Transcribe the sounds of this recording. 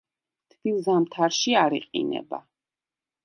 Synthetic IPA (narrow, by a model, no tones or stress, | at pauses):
t̪ʰb̥ilˠzamt̪ʰaɾʃiaɾiqʼḭnɛ̰ba̰